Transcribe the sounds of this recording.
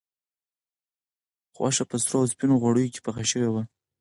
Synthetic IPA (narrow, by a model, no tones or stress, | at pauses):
xwa̰ʃapəst̪ɾɑaspinoɣwaɽəjoke̥paxaʃəwewa